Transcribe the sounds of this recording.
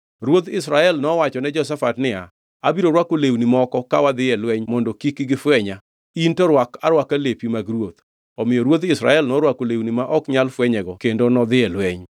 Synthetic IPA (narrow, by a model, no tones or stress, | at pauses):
ɾwot̪ɪsɾaɛlnɔwat͡ʃɔnɛd͡ʒɔs̬afatnɪa̰ | abiɾoɾwakolewnimɔkɔkawad̪ɪɛlwɛɲmɔndokikiɡɪfwɛɲa | intɔɾwakaɾwakalepimaɡɾwot̪ | ɔmɪjɔɾwot̪ɪsɾa̰ɛlnɔɾwakolewnimaʔɔkɲalfwɛɲɛɡɔkendonɔd̪ɪɛlwɛɲ